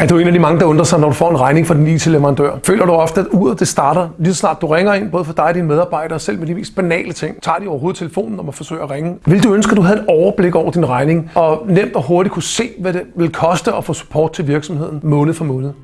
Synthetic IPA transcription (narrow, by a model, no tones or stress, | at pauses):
æɐd̥ee̝ːnædimɑ̈ŋəd̥ɑ̈ɔnd̥ʁɐsɑ̈ɪnɒɾufɒ̰ːe̝nʁɑ̈ɪne̝ŋfɑd̥inḭːt͡sʰe̝leʋɐʁɑ̈nd̥ø̰ɐfø̰ːlʔɐɾ̥uɒ̽fd̥əæuð̰ˠɐd̥e̝sd̥ɑ̈ːɾɐlisɒ̥snɑ̈ːd̥ːuʁeŋɐe̝nb̥ɔ̽ːð̞̩ˠfɒ̽d̥ɑ̈ɪɒd̥inmeð̞ˠɑ̈b̥ɑ̈ɪ̰ɾ̥ɐːsel̰medime̝̰ːsd̥̚b̥ænɛ̰ːlət͡sʰe̝ŋ̰t͡sʰɑ̰̈ːd̥iɒʊɐɦoːð̩ˠt͡sʰeləfo̝̰ːnn̩ɒ̽mæfɒ̽sø̰ːɪæʁeŋəʋe̝ld̥uønsɡ̥əd̥uɦæe̝d̥ɒʊɐb̥le̝ɡ̥ɒ̰ʊɐd̥inʁɑ̈ɪne̝ŋɒ̽nem̰d̥ɒ̽ɦoɐɾ̥ikʰuse̝̰ːʋæde̝ʋe̝lkʰɒ̽sd̥əɒfɔ̰̽ːsu̥pʰɒ̰ːd̥̚t͡sʰe̝lʋiɐɡ̥sɒ̽mhe̝ð̰ˠn̩mɔ̽ːnð̩ˠfɒmɔ̽ːnð̩ˠ